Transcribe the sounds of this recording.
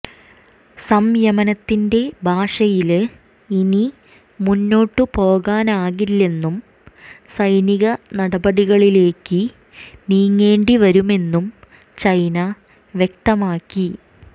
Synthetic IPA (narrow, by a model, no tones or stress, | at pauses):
sɐmjɐmɐnɐt̪ːinde̞bʱaːʂɐjil | ini | munːo̞ːʈːɨpo̞ːɣaːnaːɣilːe̞nːum | sɐjniɣɐnɐɽɐbɐɽiɣɐɭile̞ːkːɨ | niːŋːe̞ːɳɖiʋɐɾume̞nːum | t͡ɕɐjnɐ | ʋjek̚t̪ɐmaːkːi